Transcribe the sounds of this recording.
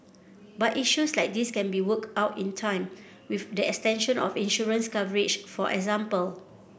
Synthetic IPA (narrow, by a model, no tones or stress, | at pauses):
batiʃuslaɪk̚diskɛ̃nbiwəktaʊtĩntʰãɪ̃m | wifdiɛkstɛ̃nʃə̃nɔ̰fĩnʃɔɹə̃nskavəɹɪt͡ʃfɔʔɛ̰kzãmpəl